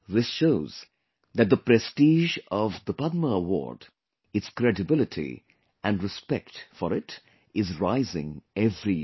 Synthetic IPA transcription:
ðɪsʃoʊz̥ | ðæt̚d̪əpɾɛstiʒɔvðəpʌd̪̚məəwɔ̰ɹɖ | ɨtskɾɛdɨbɪlɨtʰḭ | ʔæ̃nɹɨspɛk̚tfɔɾɪt | ɪzɹaɪzɪ̰̃ŋɛvɾi

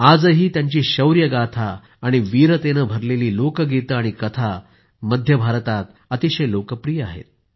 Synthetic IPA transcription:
ad͡zəɦiːt̪jaɲt͡ɕiːɕəwɾjəɡat̪ʰaː | ɽ̃iʋiɾət̪enəbʱəɾleliːlokəɡet̪əaɽ̃ikət̪ʰa | məd̪ʱjəbʱaɾt̪at̪ | ət̪iɕəjlokəpɾiːja̰ɦḛt̪̚

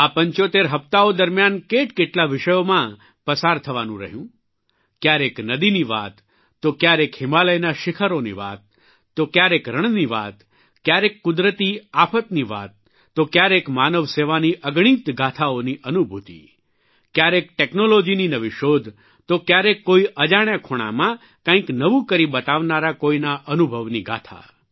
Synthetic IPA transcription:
apəɲt͡ʃot̪eɾɦəft̪aod̪əɾmjankeʈkeʈlaʋɪʃəjomã | pəsaɾt̪ʰəʋanũɾə̰ɦjũ | kjaɾeknəd̪iniʋa̰t̪ː | okjaɾekɦɪmaləjnaʃɪkʰəɾonḭʋa̰t̪ː | okjaɾekɾəɳ̃niʋa̰t̪ | kjaɾekːʊd̪ɾət̪iapʰət̪niʋa̰t̪ː | okjaɾekmanəʋseʋaniʔəɡɽ̃it̪ɡʱat̪ʰaoniʔənubʱut̪ḭ | kjaɾek̚ʈeknolod͡ʒininəʋiʃod̪ʱ | t̪okjaɾekːoiʔəd͡ʒaɽ̃akʰoɽ̃a̰mã | kãĩknəʋũkəɾibət̪aʋnaɾakoinaʔənubʱəʋniɡʱa̰t̪ʰa̰

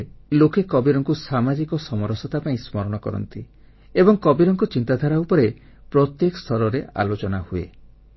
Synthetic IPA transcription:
lokekɔbiɾɔŋkusamad͡ʒikɔsɔmɔɾɔsɔt̪apaĩsmɔɾɔɽ̃ɔkɔ̰ɾɔ̰nt̪i | ebɔŋkɔbiɾɔŋkut͡ʃint̪ad̪ʱaɾaupɔɾe | pɾɔt̪jekɔst̪ʰɔɾɔɾeʔa̰lot͡ʃɔnahuḛ

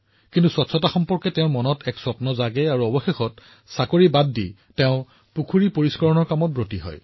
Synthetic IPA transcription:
kintuswɔtsʰɔtaxɔmpɔɹkɛtɛʊ̃mɔnɔtʰɛksɔpnɔzaɡɛaɹuɔbɔxexɔt̚ | sakoɹibadːḭ | teʊ̃ | pukʰuɹipoɹiskɔɹɔnɔɹkamɔt̚bɹotiɦɔ̰j

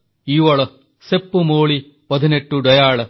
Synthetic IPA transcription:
iːʋɐɭɐ | sepːumoːɭi | pɐd̪ʱineʈːuɖɐjaːɭɐ

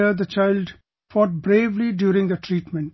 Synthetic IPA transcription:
əd̪ət͡ʃaɪlɖ | fɔːʈ̚bɾeːʋliɖjuːɾɪ̃ŋd̪əʈʰɾiːʈmɛ̃ɳʈ̚

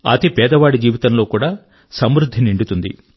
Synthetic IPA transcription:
ɐ̰t̪epɛːd̪ɐʋaːɽid͡ʒiːʋit̪ɐnlo̞ːkuːɽaː | sɐmɾud̪ʱːiniɳɖut̪und̪ḭ

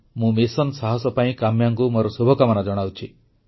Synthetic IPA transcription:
mũmesɔnsaɦɔsɔpaĩkamjaŋkumɔɾɔsubʱɔkamɔnad͡ʒɔɽ̃awt͡ʃʰi

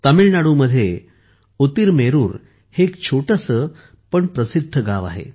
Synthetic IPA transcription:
t̪əmiɭnaɽuməd̪ʱːje | ut̪iɾmeɾuːɾ | hekt͡ɕʰoʈəsə | pəɳpɾəsid̪ʱːəɡaʋa̰ɦḛ

